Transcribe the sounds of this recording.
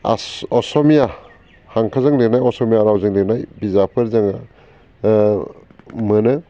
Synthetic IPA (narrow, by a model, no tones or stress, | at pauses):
a̰ɔsɔmija | haŋkʰazɯŋleknajɔsɔmijaɾawzɯŋlek̚najbizapʰɯɾzaŋa | mɯnɯ